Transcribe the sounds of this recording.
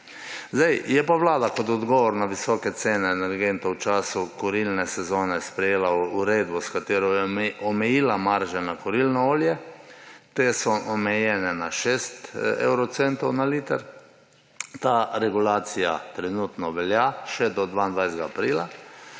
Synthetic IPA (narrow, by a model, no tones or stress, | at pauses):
zd̪ɛjjɛpaʋlaːd̪akɔt̪ɔd̪ɡɔːʋɔɾnaʋisɔːkɛt̪seːnɛːnɛɾɡent̪owt͡ʃaːsukɔɾilnɛsɛzoːnɛspɾɛjeːlauɾeːd̪bɔskat̪eːɾɔjɛʔɔmɛjiːlamaɾʒanakɔɾilnɔoːljɛ | t̪eːsɔʔɔmɛjɛnɛnaʃeːst̪ɛ̰wɾɔt̪sent̪ɔwnalit̪ɛɾ | t̪aɾɛɡulaːt̪sija̰t̪ɾɛnut̪nɔʋɛljaʃɛd̪ɔd̪ʋaːnd̪ʋajsd̪ɡaːpɾiːla